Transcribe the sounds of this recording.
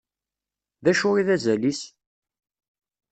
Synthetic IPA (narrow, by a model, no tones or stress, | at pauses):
ðæʃʊɾiðæzælis